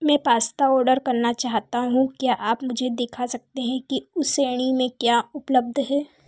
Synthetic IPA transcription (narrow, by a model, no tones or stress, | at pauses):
mɛ̃ːpaːst̪aɔːɾɖəɾkɐɾnat͡ʃaːɦt̪aɦũkjaːʔaːpmʊd͡ʒʱed̪ɪkʰasɐk̚t̪eɦɛ̃kiʊseːɽ̃imẽkjaːʊpləb̚d̪ʱɦɛː